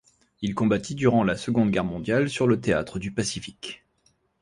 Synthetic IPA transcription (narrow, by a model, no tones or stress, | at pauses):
ilkɔ̃bat̪id̪yʁɑ̃lasəɡɔ̃d̪ɡʲɛʁmɔ̃d̪jalsyʁlət̪ea̰t̪χəd̪ypasifik